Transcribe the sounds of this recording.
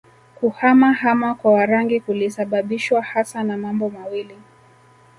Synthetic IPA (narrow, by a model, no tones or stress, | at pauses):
kuhamahamakwawaɾaŋɡikulisaɓaɓiʃwahasanamambɔmawili